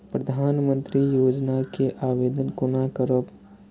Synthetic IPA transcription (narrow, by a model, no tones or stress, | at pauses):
pɾɐd̪ʱaːnmə̃nt̪ɾijoːd͡ʒnakeʔaːʋeːd̪ənkʊnakəɾəp